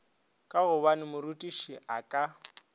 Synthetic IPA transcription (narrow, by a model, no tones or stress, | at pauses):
kʼaɣʊbanɪmʊɾutʼiʃiʔakʼa